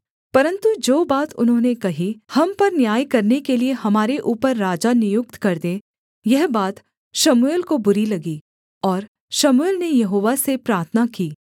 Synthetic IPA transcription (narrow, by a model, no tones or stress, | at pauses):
pɐɾə̃nt̪ud͡ʒoːbaːt̪ʊ̰nɦõːnekɐɦihɐmpɐɾnjaːjkɐɾnekelieɦɐmaːɾeʔuːpəɾːaːd͡ʒanɪjʊk̚t̪kɐɾd̪ẽ | jɛɦbaːt̪ | ʃɐmʊeːlkobʊɾilɐɡi | ɔːɾ | ʃɐmʊeːlnejɐɦoːʋasepɾaːɾt̪ʰənakiː